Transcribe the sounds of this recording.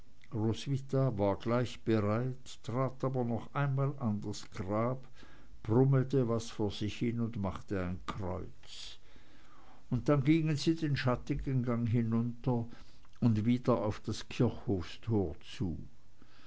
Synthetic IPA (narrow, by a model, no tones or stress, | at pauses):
ʁosvitavaːɐɡlaɪçb̥əʁaɪt | tʁ̥aːtaːbɐnɔχʔaɪnmaːlandasɡ̥ʁaːp | b̥ʁʊml̩təvasfoːɐz̥ɪçhɪnʊntmaχtəaɪnkʁ̥ɔ̰ʏt͡s | ʊnt̚d̥anɡiŋənziːdeːnʃatɪɡənɡaŋɦɪnʊntɐ | ʊndviːdɐaʊfd̥askʰɪɐçhoːfstʰoːɐt͡sṵː